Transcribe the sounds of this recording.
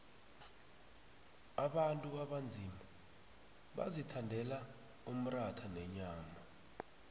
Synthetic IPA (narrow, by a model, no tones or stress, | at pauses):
aɓantʼuaɓand͡zʱima | ɓa̰zitʰandʱɛla | um̩ratʰanɛɲaːma